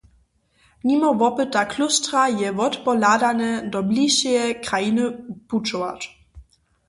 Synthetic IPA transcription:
ɲimɔvɔpɨt̪ːaklustɾajɛvɔt̪pɔlad̪anɛdɔbliʃɛjɛkɾajinɨput͡ʃɔva̰t

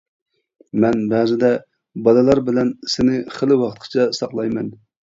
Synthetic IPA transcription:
mɛnbæzɪd̪ɛ | bɑlˠɨlˠɑɾbɪlɛnsɪnɪχəlˠɪwɑχət̪̚qʰt͡ʃʰɛsɑqlˠɑjmɛn

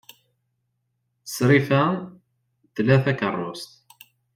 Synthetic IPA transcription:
sɾifæ | t̪ːlæθækərˤːost̪

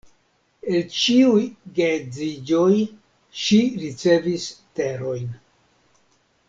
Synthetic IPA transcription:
e̞lt͡ʃiujɡed͡zid͡ʒo̞j | ʃiɾit͡se̞viste̞ɾo̞jn

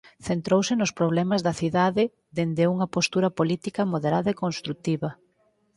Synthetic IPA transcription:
θent̪ɾowsɪnʊspɾoβ̞lɛmɐzðɐθiðaðɪ | d̪end̪euŋɐpost̪uɾɐpolit̪ikɐmoðeɾaðɐekonst̪ɾut̪iβɐ

